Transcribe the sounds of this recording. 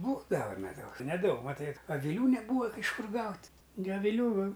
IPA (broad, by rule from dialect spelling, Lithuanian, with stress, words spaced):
ˈbuːdɐʋɐ mʲɛˈdɐʊs nʲɛˈdɐʊk mɐˈtɐɪ ɐʋʲɪˈlʲuː nʲɛˈbuːʋɐ ɪʃ ˈkʊr ˈɡɐʊtʲ ɡʲɪ ɐʋʲɪˈlʲuː